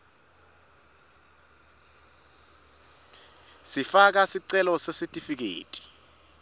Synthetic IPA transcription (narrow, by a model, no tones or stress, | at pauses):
sifak̬asiǀɛlɔsesitʼifik̬ḛːtʼi̥